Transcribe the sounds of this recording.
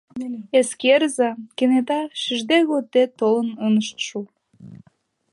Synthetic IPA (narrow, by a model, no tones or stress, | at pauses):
eskerzɑkenet̪ɑʃiʒd̪eɣot̪ːet̪olənonəʃt̪ʃu